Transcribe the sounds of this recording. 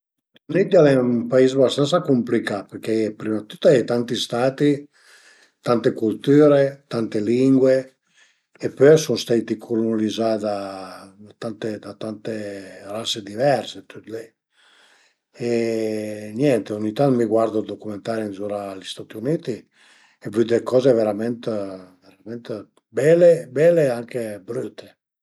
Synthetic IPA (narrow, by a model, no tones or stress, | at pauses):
st̪at̪aiunit̪ialɛumpaizbast̪ant̪sakumplikapeɾkepɾimat̪ːut̪ːaɛt̪ant̪ist̪aːt̪i | t̪ant̪ekult̪yːɾet̪ant̪eliŋɡwe | epøjsunst̪ajt̪ikʰuɾnalizad̪a | at̪ant̪ed̪at̪ant̪erased̪ivɛɾset̪yt̪le | e | njɛnt̪eoɲːit̪anmiɡwaɾd̪od̪okument̪aɾinzuɾaːlist̪at̪iuniːt̪i | evyd̪ekɔːzeveɾamɛnt̪veɾamɛnt̪ | bɛlebɛleaŋkebɾut̪ːe̥